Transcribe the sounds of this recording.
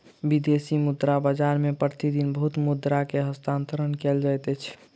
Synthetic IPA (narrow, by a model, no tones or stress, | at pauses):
bid̪esimud̪ɾabəd͡ʒaɾmepɾət̪id̪inbəɦut̪mud̪ɾakeɦəst̪ant̪əɾənkeld͡ʒajt̪ət͡ʃʰ